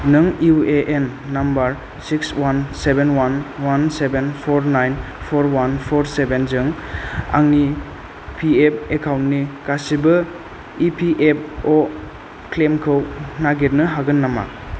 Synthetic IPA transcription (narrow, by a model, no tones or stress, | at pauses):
nɯŋueʔenːambɐɾ | sikswansebenwanwansebenpʰoɾnajn | pʰoɾwanpʰoɾsebenzɯŋa̰ŋni | pʰiep̚ekʰawntnikasibɯ | ipʰiʔep̚ɔ | klemkʰɯwnaɡeɾnɯɦaɡɯnːama̰